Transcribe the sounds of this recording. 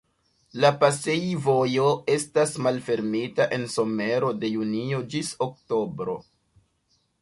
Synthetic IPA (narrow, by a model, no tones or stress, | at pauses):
lapase̞jvo̞jo̞e̞stasmalfe̞ɾmitaʔe̞nso̞me̞ɾo̞de̞junio̞d͡ʒisok̚to̞bɾo̞̰